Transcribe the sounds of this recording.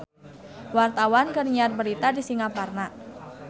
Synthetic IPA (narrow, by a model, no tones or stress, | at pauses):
wart̪awankərɲar̚bəɾit̪adisiŋaparna